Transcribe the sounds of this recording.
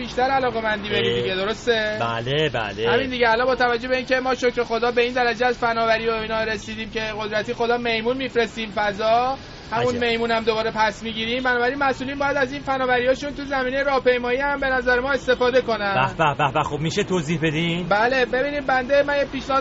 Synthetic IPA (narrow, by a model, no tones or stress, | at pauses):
biʃt̪æɾælɒːɣe̞mænd̪iːbeɾid̪iɡed̪o̞ɾo̞st̪e̞bælebæ̰lehæmind̪iɟeælɒnbɒːt̪ʰævæd͡ʒːobeiːnce̞mɒːʃocɾe̞xod̪ɒːbe̞iːnd̪æɾæd͡ʒeæzfænɒːvæɾiːoiːnɒːɾe̞siːd̪iːmcʰe̞ɣo̞d̪ɾæt̪ʰiːxo̞d̪ɒːme̞jmunmiːfɾe̞st̪iːmfæzɒː | hæmunme̞jmuːnæmd̪o̞bɒːɾe̞pʰæsmiɟiːɾimbænɒːbæɾinmæsʔuːlinbɒːjæd̪æziːnfænɒːvæɾijɒːʃunt̪uzæmiːnejeɾɒːhpe̞jmɒːjihæmbe̞næzæɾemɒːe̞st̪e̞fɒːd̪e̞ko̞nææbæbæbæxobmiʃet̪ʰozihbed̪imbæle̞be̞biːnibænd̪e̞mænjepiːʃne